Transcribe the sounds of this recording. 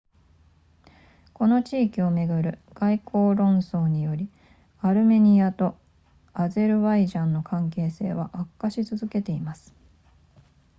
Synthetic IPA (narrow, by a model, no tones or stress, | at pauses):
ko̞no̞t͡ɕiːkʲio̞me̞ɡɯ̟ɾɯ̟ɡ̥aikʰo̞ːɾõ̞ɰ̃so̞ːɲ̟ijo̞ɾʲi | aɾɯ̟me̞ɲ̟iat̪o̞ | aze̞ɾɯ̟βaiʑãnːo̞kʰãŋk̬e̞ːse̞̰ːβ̞aʔakːaɕit͡sɨzɨke̞t̪e̞imasɨ̥